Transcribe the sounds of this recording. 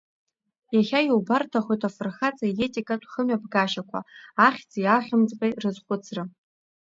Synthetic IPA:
jaχʲajowbartʰaχʷojtʰafɨrχat͡sʼajetʼikʼatʷʰʼχəmɥabɡaʃakʷʰa̰aχʲt͡sʼijaχʲɪmt͡sʼpʼejrɨzχʷʊt͡sʰrɨ

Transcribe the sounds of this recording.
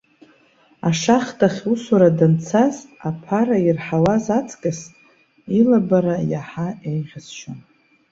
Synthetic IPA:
aʂaχtʰʼaχʲusaɾadant͡sʰazapʰaɾairħawazat͡sʰʼkʼas | ilabaɾajaħaejʁʲɪzʃʰan

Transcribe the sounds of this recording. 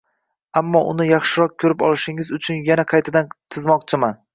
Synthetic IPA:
amːɒʔʊnɪjɑχʃɪɾɒq̚kʲʰɵɾɪpɒlˠɪʃɪŋɪzʊt͡ʃʰʊnjanaqʰɑjt̪ʰɪd̪ant̪ʰɨzmɒqt͡ʃʰɪman

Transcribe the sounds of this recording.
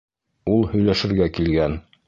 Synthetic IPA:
ulˠhɵ̆jlæʃɘ̆ɾɡækilɡæn

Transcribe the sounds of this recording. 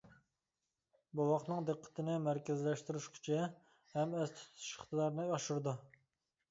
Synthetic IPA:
buwɑqnɨŋd̪ɨqʰːə̥t̪ʰɪnɪmæɾkʲɪzlɛʃt̪yɾyʃkʲʰy̥t͡ʃʰɛ | hɛmɛzt̪ʰy̥t̪ʰu̥ʃɪ̥χt̪ɨd̪ɑɾnɨɑʃuɾd̪u

